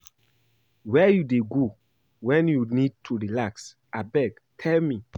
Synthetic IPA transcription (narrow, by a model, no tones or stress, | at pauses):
wɛjudeɡo | wɛ̃njunid̚tʰuɹilaks | ʔabɛɡ | tʰɛlmi